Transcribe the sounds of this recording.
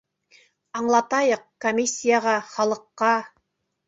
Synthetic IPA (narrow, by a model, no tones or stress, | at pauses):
ɑɴlˠɑt̪ɑjəqkomʲisʲːijaʁɑχɑlˠə̆qːɑ